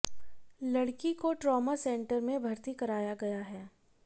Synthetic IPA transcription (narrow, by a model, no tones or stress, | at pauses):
lɐɽkikoʈɾɔːmasẽːɳʈəɾmẽbʱɐɾt̪ikɐɾaːjaɡɐjaɦɛː